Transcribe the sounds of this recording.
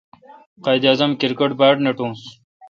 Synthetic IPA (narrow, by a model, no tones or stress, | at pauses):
qaːjd̪iɐːzɐmkiɾkɐʈbaːʈneʈũːs